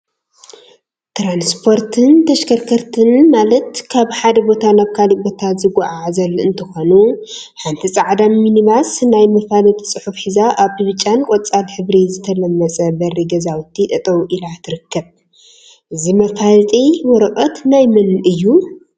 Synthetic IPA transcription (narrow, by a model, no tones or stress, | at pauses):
t̪ɾanspʰo̞ɾt̪ʰɨnt̪ʰɐʃkʰɐɾkʰɐɾt̪ʰɨnmalɐt̪kʰaβħad̪ɐbo̞t̪ʰanaβkʰalibo̞t̪ʰazɨɡaʔaʕazɐlɨ̰nt̪ʰɨxo̞nu | ħant̪ʰisʼaʕd̪aminiβasnajmɐfalt̪ʼisʼɨħufħizaʔaβtɨβɨt͡ʃʼankʼot͡sʼalħɨβɾizɨt̪ʰɐlɐmːɐt͡sʼɐbɐɾiɡɐzawt̪ʰːit̪ʼɐt̪ʼɐwʔilat̪ʰɨɾɨkʰːɐβ | ʔɨzimɐfalt̪ʼiwɔɾɐkʼɐt̪najmɨnɨjːu